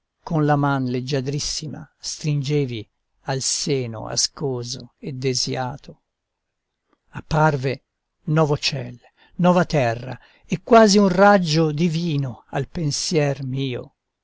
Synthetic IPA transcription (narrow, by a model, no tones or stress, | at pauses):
konlamanled͡ʒːad̪ɾisːima̰st̪ɾind͡ʒeːvi | alseːno̰a̰skoːzoed̪ːezjaːt̪ʰo | apːarve | nwɔːvot͡ʃɛl | nɔːvat̪ɛrːa̰ | ɛkːwaːziunrad͡ʒːod̪iviːnoalpensjɛrmiːo̰